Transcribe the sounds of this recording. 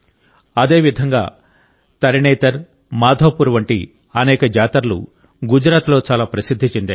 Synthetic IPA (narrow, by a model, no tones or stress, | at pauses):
ɐd̪e̞ːʋid̪ʱɐŋɡa̰ː | t̪ɐɾiɳɛːt̪ɐɾ | maːd̪ʱoːpuɾʋɐɳʈḭ | ɐnɛːkɐd͡ʒaːt̪ɐɾlṵ | ɡud͡ʒɾaːt̪lo̞ːt͡ʃaːlaːpɾɐsid̪ʱːit͡ʃend̪aː